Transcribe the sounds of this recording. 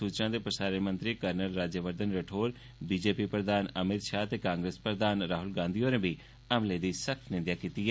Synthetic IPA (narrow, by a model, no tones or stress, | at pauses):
suːt͡ʃnãːd̪eːpɾəsaːɾəɾmə̃nt̪ɾiːkəɾnəlːaːd͡ʒjəʋəɾd̪ənɾəʈʰoːɾ | biːd͡ʒeːpiːpɾəd̪aːnəmɪt̪ʃaːt̪eːkãːŋɡɾeːspɾəd̪aːnɾaːɦʊlɡãːnd̪ijoːnẽːbi | əmleːd̪iːsəkʰt̪nɪ̃nd̪jaːkiːt̪iːɦɛː